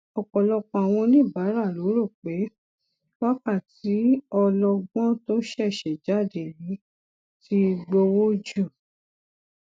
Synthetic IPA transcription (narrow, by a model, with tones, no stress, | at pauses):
ɔ˨k͡pɔ˨lɔ˧k͡pɔ̃˧a˨w̃ɔ̃˧nĩ˦˨ba˨˦ɾa˦˨lo˨˦ɾo˦˨k͡pe˨˦ | wa˦ka˦˨ti˨˦ɔ˧lɔ˧ɡ͡bɔ̃˦to˦ʃɛ˦˨ʃɛ˨d͡ʒa˨˦˨de˨ɾĩ˨˦ | ti˦˧ɡ͡bo˧wo˦d͡ʒu˦˨